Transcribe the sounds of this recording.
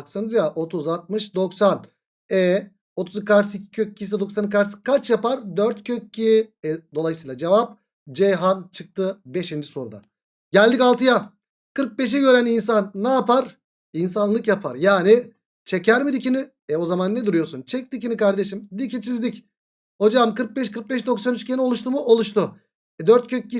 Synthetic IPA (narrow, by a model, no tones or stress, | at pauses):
aksɯnɯzjaʔo̞t̪ʰuzat̪̚mɯʃd̪o̞ksan | ɛ | o̞t̪ʰuzkaɾsicʰi̥cʰøc̚ːʰis̬ɛd̪o̞ksank̬aɾskat͡ʃjapaɾd̪øɾt̪cʰøcːiɛd̪o̞lˠajsɯjlˠad͡ʒevap̚ | d͡ʒejɦant͡ʃʰɯk̚t̪ʰɯbeʃind͡ʒiso̞ɾud̪a̰ | ɟælʲd̪ikalˠt̪ɯja | kʰɯɾk̚be̞ʃ̬ɛɟø̞ɾænins̬anːaːpaɾ | insanlˠɯkjapʰaɾjaːni | t͡ʃʰecʰæɾmid̪icini | ɛo̞zamanːed̪uɾujo̞ɾsunt͡ʃʰɛc̚d̪icinikaɾd̪e̞ʃimd̪icʰit͡ʃʰizd̪ic | ho̞d͡ʒamkɯɾk̚bɛʃkɯɾk̚bɛʃd̪o̞ksanyt͡ʃcʰenio̞lˠuʃt̪umuo̞lˠuʃt̪u | d̪øɾt̪̚cʰøc̚ːi